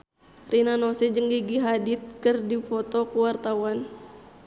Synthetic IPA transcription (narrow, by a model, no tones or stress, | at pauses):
rʔinanɔsɛd͡ʒəŋɡiɡiɦadit̪̚kɨrdifɔt̪ɔkuwart̪awan